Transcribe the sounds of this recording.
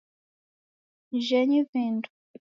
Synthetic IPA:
ʒɛɲiviːndu

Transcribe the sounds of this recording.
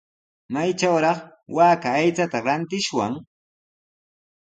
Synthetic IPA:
majt͡ʃawɾɑχwaːkaːjt͡sat̪aɾant̪ɪʃwa̰ŋ

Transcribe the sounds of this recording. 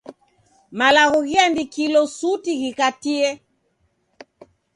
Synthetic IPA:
malaɣɔɣiamdikilɔsutiɣikatiɛ

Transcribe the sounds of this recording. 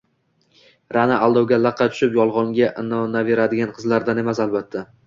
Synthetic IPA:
ɾanaʔalˠd̪ɒwɡʲalˠɑqʰːɑt̪ʰʊ̥ʃɪpjɒlˠʁɒŋɡʲaʔɪnɒnave̞ɾad̪ɪɡʲanqʰɨzlaɾd̪ane̞masalˠbat̪ʰːa

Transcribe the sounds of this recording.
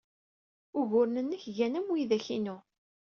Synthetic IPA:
ʊɣʊɾnənːəçʝænæmwjðæçinu

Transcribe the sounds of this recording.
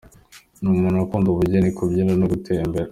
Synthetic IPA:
numunakuːnduβuɟenikʰubɟiːɾanoɡutʰeimbeɾa

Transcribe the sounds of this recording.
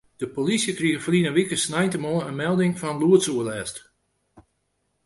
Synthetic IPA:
d̥əpolisjəkriɣəfrinəʋikəsnɛjntəmɔənmɛlˠdɪŋfɔnluətsuəlɛːst

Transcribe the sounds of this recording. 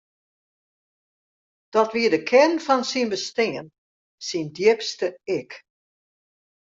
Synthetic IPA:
d̥ɔtʋiədəkʰɛrnfɔnsinbəstɪən | sindjɪpstəɪk

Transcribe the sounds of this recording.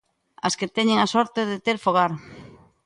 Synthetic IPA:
ɐ̰sket̪ɛɲeŋasɔɾt̪eðet̪eɾfoɣ̞aɾ

